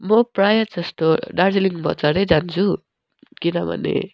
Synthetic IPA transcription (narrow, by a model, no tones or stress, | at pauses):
mʌpɾajad͡zʌst̪oɖaɾseliŋbʱʌ̰t͡saɾed͡zant͡sʰu | kinʌbʱʌ̰nḛ